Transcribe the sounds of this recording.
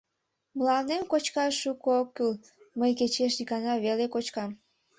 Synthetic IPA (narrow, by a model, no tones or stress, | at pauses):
məlɑnd̪emkot͡ɕkɑʃukokːyl | məjket͡ɕeʃ̬ikɑnɑβelekot͡ɕkɑm